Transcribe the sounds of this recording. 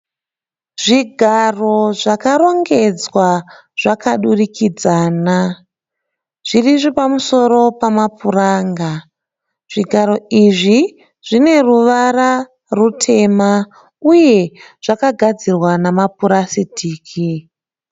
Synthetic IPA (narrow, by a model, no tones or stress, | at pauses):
ʐiɡʱaro̞ʐakaɾo̞ŋɡe̞d͡zwa | ʐ̥akʰaɗurikid͡zaːna | ʐ̥iriʐipamuso̞ɾo̞pamapuraːŋɡa | ʐ̥iɡʱaɾo̞iʐi | ʐ̥ine̞ruʋara | rutʰe̞ma | uje̞ʐ̥akaɡʱad͡zirwanamap̚uɾasitʰiːkʰi